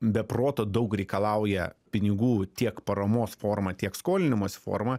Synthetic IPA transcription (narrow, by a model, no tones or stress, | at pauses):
bʲɛproːt̪oːd̪ɐʊkɾʲɛɪkɐlˠɐˑʊjɛpʲɪnʲɪɡuːt̪ʲiɛkpɐɾɐmoːsfoːrmɐt̪ʲiɛkskoːlʲɪnʲɪmoːsʲfo̰ːɾmɐ